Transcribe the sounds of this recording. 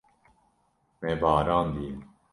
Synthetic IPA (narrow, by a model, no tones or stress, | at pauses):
mɛbɑːɾɑːnd̪in